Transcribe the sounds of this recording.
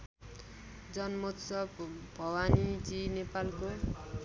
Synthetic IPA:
d͡zʌnmot̪sʌbbʱʌwanid͡zinepalko

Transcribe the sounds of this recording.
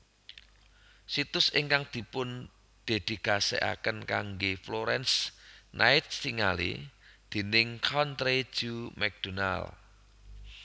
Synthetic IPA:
sit̪ʊsɪŋkaŋd̪̥i̤pʊn | d̪̥e̤d̪̥i̤ɡ̥asḛʔa̰kənkaŋɡefloɾɛnsnʔaɪt̪̚tiŋalḛd̪̥e̤nɪŋkʰɔnt̪ɾe̥ʒ̥umɛk̚d̪̥ona̰l

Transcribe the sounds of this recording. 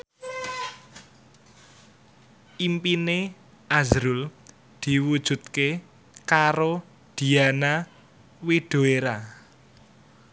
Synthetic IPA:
ʔimpine | ʔazɾul | d̪̥i̤wud̥ʒ̥ṳt̪̚ke | kaɾo | d̪̥i̤ana | wiɖ̥o̤eɾa

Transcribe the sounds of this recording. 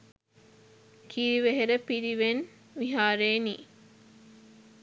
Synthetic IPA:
kʰiɾiʋeɦeɾɐpiɾiʋen | ʋiɦaːɾeːniː

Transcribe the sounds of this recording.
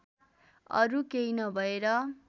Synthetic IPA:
ʌ̰ɾukejnʌbʱʌeɾʌ

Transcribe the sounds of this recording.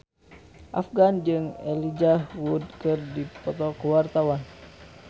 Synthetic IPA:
ʔa̰fɡand͡ʒɨŋɛ̰lid͡ʒahwud̪kɨrdipɔt̪ɔkəwart̪awan

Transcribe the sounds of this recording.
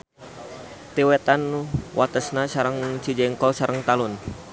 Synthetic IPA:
t̪iwɛt̪anwʔat̪əsnasaɾəŋt͡ʃid͡ʒɛŋkɔsaɾʔəŋt̪alun

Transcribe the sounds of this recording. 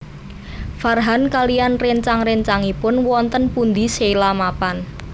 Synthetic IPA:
farɦankalijanreɲt͡ʃaŋreɲt͡ʃaŋipʊnwɔnt̪ənpund̪i̤selamapan

